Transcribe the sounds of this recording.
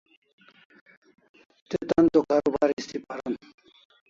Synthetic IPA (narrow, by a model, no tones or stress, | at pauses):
t̪et̪ant̪okaɾubʱaɾist̪ʰipaɾan